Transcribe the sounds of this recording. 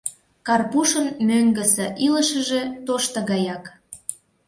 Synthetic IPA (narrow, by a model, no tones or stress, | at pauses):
kɑrpuʃənmøŋɡə̆sə̆ʔiləʃə̆ʒe̽t̪oʃt̪ɤ̆ɣɑjɑk